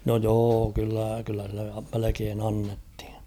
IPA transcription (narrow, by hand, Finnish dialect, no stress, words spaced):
no joː kylːæ kylːæ silːe melekeːn ɑnːethi̥n̥